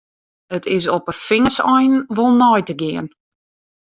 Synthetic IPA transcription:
ətʰɪs̬opəfɪŋəsɔjnʋolˠnɔjtəɡɪən

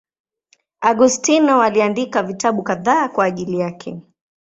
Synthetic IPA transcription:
aɡustinɔwaliandikavitaɓukaðaːkwaːʄilijakʰɛ

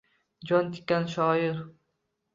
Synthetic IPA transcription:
d͡ʒɒnt̪ʰɪ̥kʲːanʃɒːɪɾ

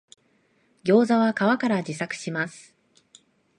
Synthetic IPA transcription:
ɡʲo̞ːzaβakaβakaɾad͡ʑisakɯ̟̥ɕimasɨ̥

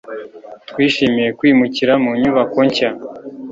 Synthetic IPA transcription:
twiːʃimije̞kwiːmuciɾamuɲuβakoɲca

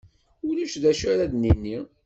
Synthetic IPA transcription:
ʊɾiʃðæʃæɾæðninːi

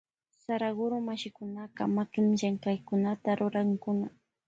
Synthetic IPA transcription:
saɾaɢʊɾʊmaʃɪkʊnaqɑ̰makɪmʒaŋkajkʊnat̪aɾʊɾaŋkʊna

